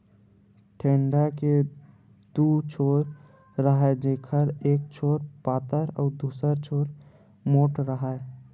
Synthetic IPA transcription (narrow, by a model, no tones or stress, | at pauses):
ʈʰeːɳɖake | d̪̥ut͡ʃʰoɾ | ɾəɦɛd͡ʒekʰəɾeːk̚t͡ʃʰoːɾpaːt̪əɾɔːd̪uːsəɾt͡ʃʰoːɾ | moːʈɾəɦə